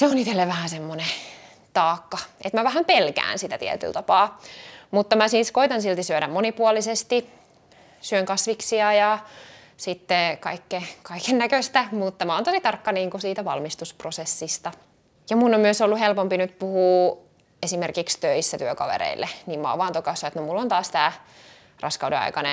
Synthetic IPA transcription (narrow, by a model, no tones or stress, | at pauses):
seonit̪elːeʋæhæsemːone | t̪ɑːkːɑʔḛt̪mæʋæhæmpelkæ̰ːnsit̪æt̪ḭɛ̰t̪y̰lt̪ɑpɑːmut̪ːɑmæsiːskoit̪ɑnsilt̪isyøɾæmmonipuɑlisest̪i | syøŋkɑsʋiksiɑjɑ | sit̪ːekɑ̰ikːekɑikennækøst̪æmut̪ːɑmæont̪osit̪ɑrkːɑniːŋkusiːt̪æʋɑ̰lmist̪usprosesːist̪ɑ | jɑmunːommyøsolːuhelpompinyt̪puhuː | esimerkikst̪øisːæt̪yøkɑ̰ʋḛɾḛilːeniːmmɑ̰ːʋɑːnt̪okɑsʋɑet̪nomulːont̪ɑːst̪æː | rʔɑ̰skɑwdɾḛɑ̰ikɑnḛ